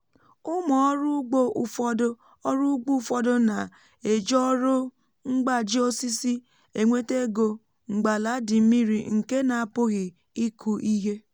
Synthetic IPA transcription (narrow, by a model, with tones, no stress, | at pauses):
ʊ˦mɔ˨ɔ˦ɾʊ˦ɡ͡bo˦˨fɔ˦dʊ˦ | ɔ˦ɾʊ˦ɡ͡bu˦˨fɔ˦dʊ˦na˨ | e˨d͡ʒɔ˦ɾo˦ | ŋ͡m̩˦ɡ͡ba˦d͡ʒi˦o˦si˦si˦ | e˨ŋʷe˦te˦ɡo˨ | ŋ͡m̩˨ɡ͡ba˨la˨˦dɪ˨m̩˦mi˦ɾi˨ŋ̩˨ke˦na˨a˨pʊ˦ɣɪ˨ | i˦kʰu˨ʔi˦ɦe˦